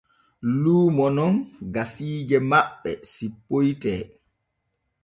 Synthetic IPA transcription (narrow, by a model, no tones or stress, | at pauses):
luːmɔnɔnɡasiːd͡ʒɛmaɓːɛ̰sipːojtɛː